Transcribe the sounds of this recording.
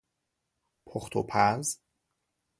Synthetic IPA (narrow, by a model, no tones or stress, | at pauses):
pʰoxt̪ʰopʰæz